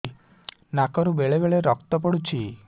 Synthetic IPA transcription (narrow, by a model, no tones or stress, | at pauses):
nakɔɾubeɭebeɭeɾɔkt̪ɔp̬ɔɽut͡ʃʰi